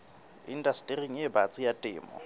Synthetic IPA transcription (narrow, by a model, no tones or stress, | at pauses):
ḭndastʼiriŋ̩jebat͡sʼɪjatʼɪ̰ːmɔ̰